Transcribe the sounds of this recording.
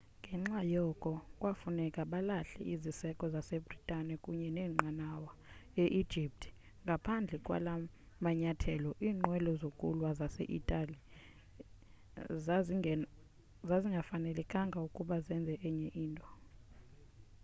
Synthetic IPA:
ŋɡʱɛŋ͡ǁajɔkʼɔkʼwafunɛkʼaɓalaɬɛ̰ʔizisɛkʼɔzasebʱritʼanɛkʼuɲɛnɛːŋ͡ǃʱanawaeʔid̥ʒ̥ʱip̚tʰʼ | ŋɡʱapʰand͡ɮʱɛkʼwa̰la | maɲatʰɛlɔʔiːŋ͡ǃwɛlɔzokʼulwazasḛʔḭtʼali | zaziŋɡʱafanɛlɛkʼaŋɡʱaukʼuɓazɛnd͡zʱɛʔɛɲɛʔiːntʼɔ̥

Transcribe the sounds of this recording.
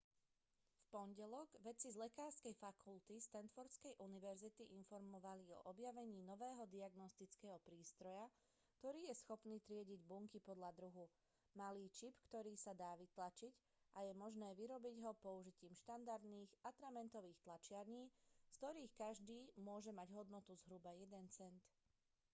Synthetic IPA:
fpɔnɟɛlɔɡʋɛt͡sizlɛkaːɾskɛjfakʰult̪ist̪ɛnt̪fɔɾskɛjʔuniʋɛɾzit̪iʔinfɔɾmɔʋaliɔ̰ʔɔbjaʋɛɲiːnɔʋɛːɦɔd̪iaɡnɔst̪it͡skɛːɦɔpɾiːst̪ɾɔja | k̚t̪ɔɾiːjɛsxɔpniːt̪ɾɪɛɟiɟbuŋkipɔd̪ʎad̪ɾuɦu | maliːt͡ʃipkt̪ɔɾiːsad̪aːʋit̪lat͡ʃic | ʔajɛmɔʒnɛːʋiɾɔbiɟɦɔpɔuʒiciːmʃt̪and̪aɾd̪niːɣat̪ɾamɛnt̪ɔʋiːxt̪lat͡ʃɪaɾɲiːskt̪ɔɾiːxkaʒd̪iːmʊɔʒɛmaɟɦɔd̪nɔt̪uzɦɾubajɛd̪ɛnt͡sɛnt̪

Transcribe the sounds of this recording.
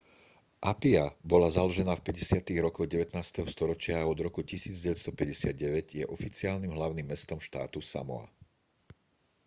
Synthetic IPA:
ʔapiabɔlazalɔʒɛnaːfpɛɟɛsɪat̪iɣɾɔkɔɣɟɛʋɛt̪naːst̪ɛɦɔst̪ɔɾɔt͡ʃɪaːɔd̪ɾɔkucisiːd͡zɟɛʋɛst̪ɔpɛɟɛsɪad̪̚ɟɛʋɛɟjɛʔɔfit͡siaːlnimɦlaʊnimːɛst̪ɔmʃt̪a̰ːt̪usa̰mɔ̰a̰

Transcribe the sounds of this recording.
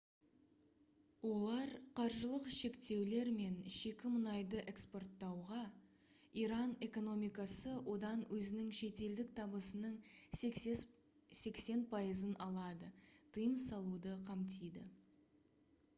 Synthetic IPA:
wo̞lˠɑɾqʰɑɾʒəlˠəqʃe̞kt̪e̞wle̞ɾme̞nʃe̞kʲɪmənɑjd̪əʔe̞kspo̞rt̪ːɑwʁɑ | iɾɑne̞ko̞no̞mijkɑsəwʔo̞d̪ɑnwɵzɪnɪŋʃe̞t̪e̞ld̪ɪk̚t̪ʰɑbəsənəɴ | se̞kse̞npʰɑjəzənɑlˠɑd̪ə | t̪ʰəjəmsɑlˠud̪əqʰɑmt̪ijd̪ɪ̰

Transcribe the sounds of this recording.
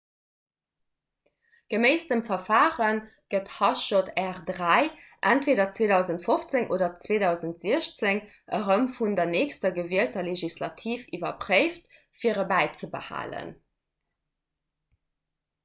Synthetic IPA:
ɡ̥əmeɪstəmfɐfaːʁən | ɡ̥əthɑʃotʰæʁdʁæɪʔæntveːdɐt͡sweːdɑʊzəntfoft͡seŋʔoːdɐt͡sweːdɑʊzəntz̥iəɕt͡seŋ | ʔəʁəmfundɐneːkstɐɡəviəltɐleʒislɑtʰiːfivɐpʁəɪft̚ | fiːəʁəbæɪt͡səbə̰ha̰ːlə̰n

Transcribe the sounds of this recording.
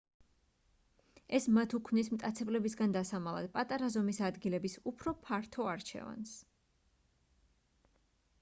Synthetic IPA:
ɛsmat̪ʰukʰvnismt̪ʼat̪sʰɛblɛbisɡand̪asamalˠa̰d̪̥̚pʼat̪ʼaɾazɔmisad̪ɡilɛbisupʰɾɔpʰaɾt̪ʰɔaɾt͡ʃʰɛ̰va̰ns

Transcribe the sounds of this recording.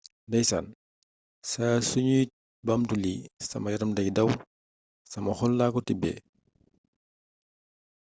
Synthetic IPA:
dɐjsan | sasuɲuːt̚ | bɐmtulisɐ̰mɐjɐɾɐmdɐɡdɐw | sɐmɐxɔlːaːkɔtibɛ̰ː

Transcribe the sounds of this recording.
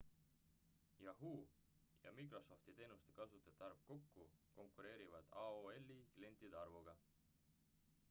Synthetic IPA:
jɑɦuː | jɑ̰mikro̞so̞ft̪it̪e̞ːnust̪e̥kɑsut̪ːˑɑt̪ːˑɑrv̥ko̞kːuko̞ŋkːˑuɾe̞ːɾivɑd̪̥ɑoelːikle̞nt̪id̪ɑrvuɡ̥ɑ

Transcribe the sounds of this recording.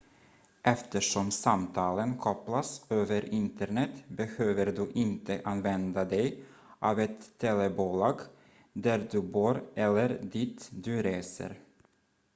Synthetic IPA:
ʔɛft̪əʂɔmsamt̪ʰɑːlənkʰɔplasøːvəɾʔɪnt̪əɳɛt̪bɛhøːvəɾd̪ɵʔɪnt̪ʰəʔanvɛnd̪ad̪ɛj | ʔɑːvɛt̪ʰːɛlɛbuːlɑːɡ | d̪æɾd̪ɵbuːɾʔɛlːəɾd̪iːt̪d̪ɵɾeːsə̰ɾ

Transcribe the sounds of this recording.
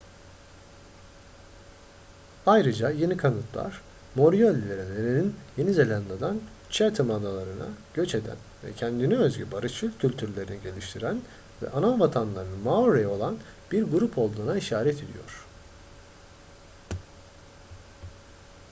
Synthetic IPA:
ajɾɯd͡ʒaje̞nikʰanɯt̪ʰlˠa̰ɾ̥ | mo̞ɾijolʲːilʲeɾelʲe̞ɾininje̞nizelʲand̪ad̪an | t͡ʃʰæt̪ʰɯmad̪alˠaɾɯna̰ɟ̥ø̞t͡ʃe̞d̪æ̰nvɛ̰cʰɛnd̪iniø̞zɟy̰baɾɯʃɯlʲcʰylʲt̪ʰyɾlʲe̞ɾiniɟe̞lʲiʃt̪ʰiɾæn | vɛ̰ʔanavat̪ʰanlˠaɾɯnɯmaoɾejo̞lˠan | b̥iɾɡuɾupʰo̞lˠd̪uːnaiʃaːɾɛt̪ʰe̞d̪ḭjo̞̰ɾ̥

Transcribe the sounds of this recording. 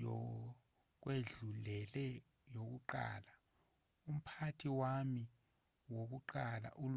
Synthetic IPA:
ɔ | k̬weɮulɛlɛ | jok̬uǃa̰ːla | um̩pʰatʰiwami | wok̬uǃala̰ʔul

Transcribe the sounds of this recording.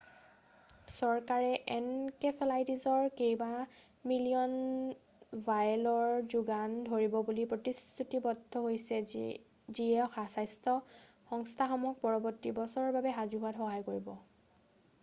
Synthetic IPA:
sɔɹkaɹɛʔɛnkɛpʰelajtizɔɹkejba | milijɔn | vʱajlɔɹzuɡandʱoɹibɔbulipɹotistʰutibɔdʱɔɦojsɛ | ziɛɔxasajstʰɔ | xɔŋstʰaxɔmɔk̚pɔɹɔbɔɹtːibɔsɔɹɔɹbabɛɦazuɦʊatxɔɦajkoɹibɔ

